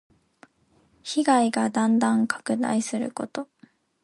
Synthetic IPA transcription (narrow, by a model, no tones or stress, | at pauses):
çiɡaiɡad̪ãnd̪ãŋkḁkɯ̟d̪a̰isɨɾɯ̟̰ko̞t̪o̞